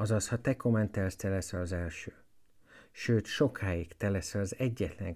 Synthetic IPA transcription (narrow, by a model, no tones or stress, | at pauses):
ɒzɒshɒt̪ɛko̞mɛnt̪ɛrst̪ɛlɛsɛlɒzɛlʃøː | ʃøːt̪ʃo̞kʰaːjikt̪ɛlɛsɛlɒzɛɟːɛt̪lɛ̰ŋ